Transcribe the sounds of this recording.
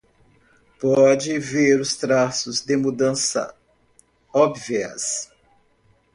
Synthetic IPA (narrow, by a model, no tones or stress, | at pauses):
pɔd͡ʒɪveɾʊst̪ɾasʊzd̪ɪmud̪ɐ̃sɐ̰ | ɔbviɐ̰s